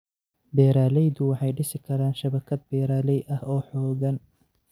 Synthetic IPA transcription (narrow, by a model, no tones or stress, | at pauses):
bɛːɾaːlɛjd̪ʊwɑħɑjɖɪsɪkʰɐɾaːnʃɐβɐkʰɐd̪̚bɛːɾaːlɛjɐhɔːħɔːɣɐn